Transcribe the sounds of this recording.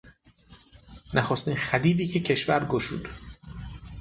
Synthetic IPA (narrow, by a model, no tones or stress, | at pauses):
næxost̪iːnxæd̪iːd̪iːcʰe̞cʰe̞ʃvæɾɡoʃṵːd̪